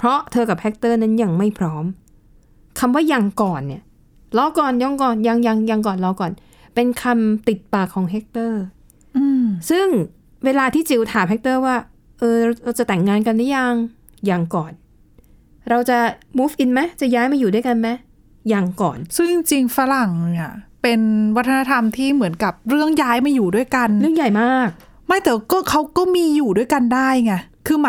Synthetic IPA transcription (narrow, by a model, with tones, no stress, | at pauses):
pʰɾɔ˦˥t̪ʰɤː˧ka˨˩p̚hɛ˦˥k̚t̪ɤː˥˩na˦˥nja˧ŋma˥˩jpʰɾɔː˦˥m | kʰa˧mwaː˥˩ja˨˩ŋkɔː˨˩nːi˦˥˩ɐ | lɔː˧˥kɔː˨˩njaː˨˧˩ŋkɔː˨˩nja˧ŋja˧ŋja˧ŋk̬ɔː˨˩nlɔ˧˩kɔː˨˩n | pe˧nkʰa˧mt̪i˨˩t̪̚paː˨˩kʰːɔː˩˦ŋɦe˦˥k̚t̪ɤː˥˩ | ʔɯ˧sɯ˥˩ŋ | weː˧laː˧t̪ʰiː˥˩t͡ɕi˧wt̪ʰaː˩˦mhɛ˦˥k̚t̪ɤː˥˩waː˥˩ | ʔɤː˧ɾa˧ɾa˧wt͡ɕa˨˩t̪ɛ˨˩ŋːaː˧nka˧nda˦˥ja˧˩ŋ | jaː˨˩ŋkɔː˨˩n | ɾa˧wt͡ɕa˨˩muː˦˥fʔi˧nma˦˥jt͡ɕa˨˩jaː˦˥jmaː˧juː˨˩du˥˩jka˧nma˦˥ | jaː˨˩ŋkɔ̰ː˨˩nsɯ˥˩ŋ˧ŋt͡ɕi˧ŋfa˧˥ɾa˨˩ŋn˧˩˨pe˧nwa˦˥t̪ʰːa˧a˦˥t̪ʰa˧mt̪ʰiː˥˩mɯ˩˦ənka˨˩p̚ɾɯ˥˩əŋjaː˦˥jmaː˧juː˨˩du˥˩əjka˧nɾɯ˥˩əŋja˨˩jmaː˥˩k̚ | ma˥˩jt̪ɛː˨˩wkɔː˥˩kʰa˦˥wkɔː˥˩miː˧juː˨˩du˥˩əjka˧ndaː˥˩jŋa˧˩kʰɯː˧m˦